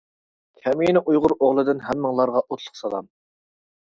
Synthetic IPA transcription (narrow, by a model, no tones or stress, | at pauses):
kʲʰɛmijnɪʔujʁʊɾoʁlˠɨd̪ɨnɦɛmːɪŋlˠɑɾʁɑʔot̪ʰlˠʊ̥χsɑlˠɑm